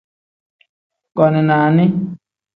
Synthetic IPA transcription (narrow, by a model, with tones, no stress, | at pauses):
kɔ˨nɛ˨na˨nĩ˦